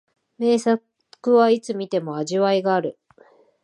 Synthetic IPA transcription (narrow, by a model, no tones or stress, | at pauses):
me̞ːsa | kɯ̟βait͡sɨmʲit̪e̞mo̞aʑiβaiɡaːɾɯ̟